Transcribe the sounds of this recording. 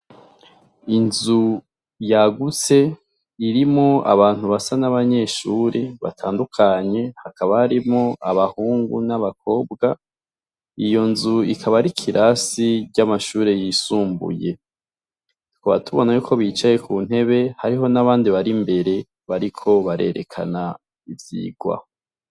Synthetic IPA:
inzu | jaɡut͡se̞ | iɾimŋoa̰βaːn̥huβasanaβaɲe̞ʃuːɾe̞βa̰tʰaːndukʰaɲe̞hakaβahaɾimŋoaβahuːŋɡṵnaβak̚ʰo̞ːbɡa | ijo̞nzuikʰaβaɾikʰiɾʔasiɾɟamaʃuːɾe̞jiːsuːmbṵje̞ | kʰoβa̰tuβo̞najuːkʰo̞βit͡ʃaje̞kʰuːn̥he̞βe̞haɾiɦo̞naβaːndiβaɾimbe̞ɾe̞ | βaɾikʰo̞βaɾe̞̰ɾe̞̰kʰa̰na | ivjḭːɡ̥wa̰

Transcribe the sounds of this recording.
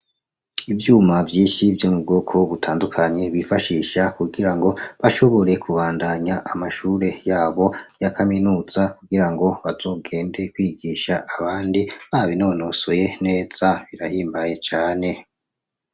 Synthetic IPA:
ivjuːmavjiːʃivjomub̚ɡoːkʰo̞βutʰaːndukʰaɲe̞βifaʃiːʃakuɡiɾaŋɡo̞βaʃo̞βo̞ɾe̞kʰuβaːndaɲaʔamaʃuːɾe̞jaːβo̞jakʰaminuːz̥akuɡiɾaŋɡo̞βazo̞ːɡe̞ːnde̞kwiːɡiʃaʔːβaːndiβaβino̞ːno̞soje̞ne̞ːz̥aβiɾahiːmbaje̞t͡ʃaːne̞

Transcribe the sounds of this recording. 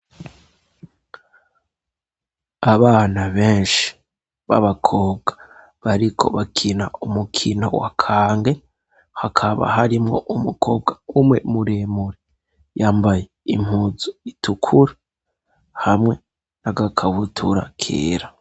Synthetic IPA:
aβaːnaβeːnʃi̥ | βa̰βakʰo̞ːbɡḁ | βaɾikʰo̞̰βakʰinaumukʰino̞̰wa̰kʰaːŋɡe̞ | hakʰaβa̰ɦaɾimŋo̰ʔumukʰobɡaumŋe̞muɾeːmuɾe | jaːmbaje̞ḭm̥huːzuitukʰuɾe | hamŋe̞ | naɡakʰaβutʰuɾa̰kʰḛːɾa

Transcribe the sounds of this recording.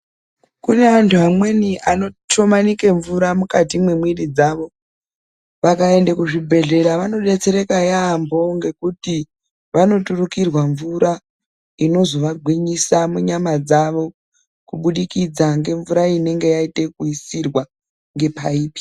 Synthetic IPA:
kune̞antʰuɦamwe̞niʔano̞to̞manike̞ɱvuɾamukatimwemwiɾid͡zaʋo̞ | ʋakae̞ndekuʐibʱe̞ɮe̞ɾaʋano̞ɗe̞t͡se̞ɾe̞kajaːmbo̞ŋɡe̞kuti | ʋano̞turukirwaɱvuɾa | ino̞zo̞ʋaɡʱwiɲisamuɲamad͡zaʋo̞ | kuɓuɗikid͡zaŋɡe̞ɱvuɾaine̞ŋɡe̞jaite̞kuisirwa | ŋɡe̞paiːpi̥

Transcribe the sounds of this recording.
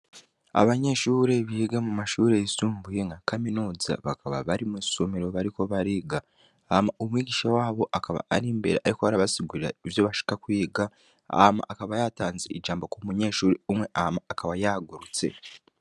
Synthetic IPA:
a̰βaɲe̞ʃuːɾe̞βiiɡamumaʃuːɾe̞isuːmbujeŋɡakaminuːza̰βakʰaβa̰βaɾimusomiɾo̞βaɾiko̞βaɾiːɡa | amaʔomwiːɟiːʃawaːβo̞ʔakaβa̰aɾiːmbe̞̰ɾeaɾikoaɾaβasiɡuɾiɾaivjo̞βaʃi̥kakwiːɡa | a̰hma̰ʔːkaβajataːnzeid͡ʒaːmbo̞komuɲe̞ːʃuːɾeumwe̞ʔahamaːkaβajaɡuɾut͡se̞̰

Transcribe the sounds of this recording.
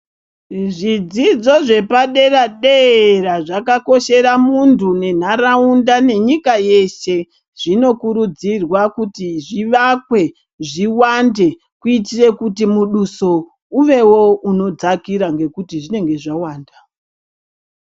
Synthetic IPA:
ʐid͡zid͡zo̞ʐe̞paɗe̞raɗeɾaʐakako̞ʃe̞ɾamuntʰune̞n̤aɾaundane̞ɲikaje̞se̞ | ʐ̥ino̞kuɾud͡zirwakutiʐiʋakwe̞ | ʐiwande̞ | kuitire̞kutimuɗuso̞ | uʋe̞wo̞uno̞d͡zakiɾaŋɡe̞kutiʐine̞ŋɡe̞ʐawaːnda

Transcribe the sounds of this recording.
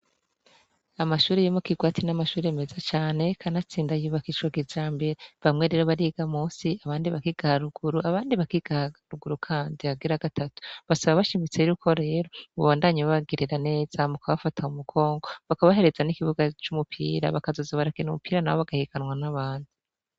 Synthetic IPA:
amaʃuːɾejimoukiɡwaːtinamaʃuːɾeeme̞zat͡ʃaːne̞kʰanat͡siːndajuβakit͡ʃwaɡizaːmbe̞ɾeβamŋe̞ɾe̞ːɾo̞βaɾiɡamuːsiaβaːndiβakiɡ̥ahaɾuɡ̥uɾuaβaːndiβakiɡ̥ahɾuɡuɾukʰaːndiaɡiɾaɡatatu̥βasaβaβaʃimit͡seɾukʰo̞ɾe̞ːɾo̞uβaːndaɲiβaβaɡiɾiɾane̞ːz̥amukaβafatʰaumuɡʰo̞ːŋɡo̞βakaβaɦe̞ɾe̞zanikiβuɡat͡ʃumupʰḭːɾa̰βakazo̞zaβaɾakinumupiːɾana̰woβaɡahiɡ̥anwanaβaːndi

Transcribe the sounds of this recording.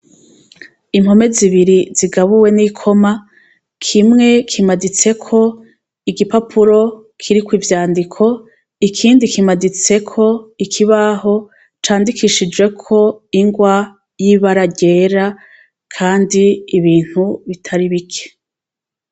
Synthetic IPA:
imho̞me̞ziβiɾiziɡaβuwe̞nikʰo̞ma | kʰimŋe̞kʰimadit͡se̞kʰo̞ | iɡipapʰuɾo̞ | kʰiɾikwivjaːndikʰo̞ | ikʰiːndikimadit͡se̞kʰo̞ikʰiβaɦo̞ | t͡ʃaːndikʰiʃid͡ʒwe̞kʰo̞iŋɡwa | jiβaɾaɟe̞ːɾa | kʰaːndiːβiːn̥huβitʰaɾiβikʰe̥

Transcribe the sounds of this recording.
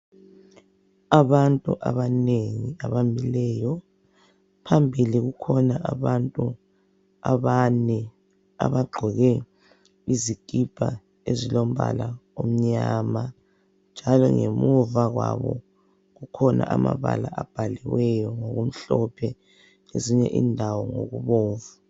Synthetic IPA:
aβantʼuʔaβaneŋiaβambilɛːjɔ | pʰambʱiliɣukʰɔnaʔaβantʼu | aβanɛ | a̰βaɡ͡ǃʱɔɣɛ | iziɡ̥ʱib̥ʱa | ezilom̩βa̰laom̩ɲaːma | nd͡ʒʱalɔ̰ŋemuvaɣwaβɔ̰ | ɣukʰɔnʔa̰ʔamaβalaab̥ʱaliwɛjɔŋoɣum̩ɬɔpʰɛ | eziɲɛ̰ʔiːndʱawɔŋo̰ɣuβoːvu

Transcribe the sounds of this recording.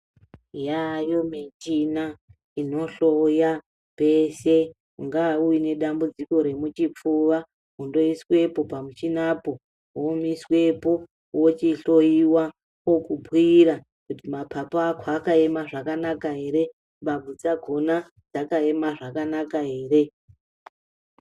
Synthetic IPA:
jajomit͡ʃina | ino̞ɬoja | pe̞se̞ | ŋɡauine̞ɗambud͡ziko̞ɾe̞mut͡ʃip͡fuʋa | ɦundo̞iswe̞po̞pamut͡ʃinapo̞ | womiswe̞po̞ | wot͡ʃiɬo̞iwa | okubʱwiɾa | kutimapʰapaakʰwaːkae̞maʐakanakaɦe̞ɾe̞ | mbabʱud͡zaɡʱo̞na | d͡zakae̞maʐakanakaɦe̞ːre̞

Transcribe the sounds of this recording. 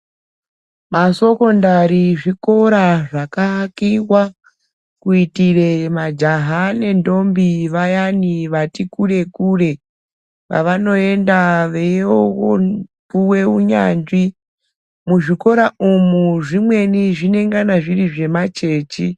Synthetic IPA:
maso̞ko̞ndaɾiʐiko̞ɾaʐakakiwa | kuitire̞mad͡ʒaɦane̞ndo̞mbiʋajaniʋatikure̞kuːre̞ | ʋa̰ʋano̞e̞ndaʋeokopuwe̞uɲa̰ːnd͡ʒi | muʐiko̞ɾaʔumuʐimwe̞niʐine̞ŋɡanaʐiriʐe̞mat͡ʃe̞ːt͡ʃi

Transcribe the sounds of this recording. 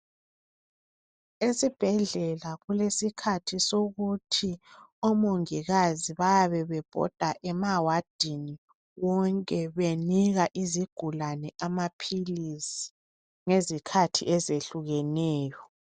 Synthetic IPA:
esib̥ʱɛɮɛlaɣulesikʰatʰisoɣutʰiɔmoŋiɣaziβajaβɛβɛb̥ʱɔ̰d̥ʱaʔɛmawad̥ʱini | wɔŋkʼɛβeniɣaʔiziɡ̥ʱulanɛʔamapʰilisi̥ | ŋezikʰatʰḭʔɛzeɬuɣɛnɛːjɔ

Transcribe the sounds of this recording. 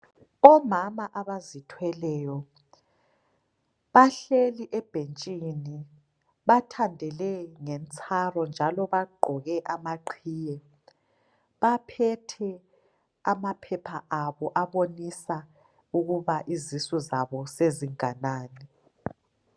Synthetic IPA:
ɔmamaʔaβazitʰwɛlɛːjɔ | βaɬeliʔɛb̥ʱent͡ʃʼini | βatʰandʱɛlɛŋɛnt͡sʼʰarɔnd͡ʒʱalɔβaɡ͡ǃʱɔɣɛʔamaǃʰiːjɛ | βapʰɛtʰɛ | amapʰɛpʰaʔaβɔʔaβonisa | uɣuβaʔizisɔzaβɔseziŋanaːniɛ

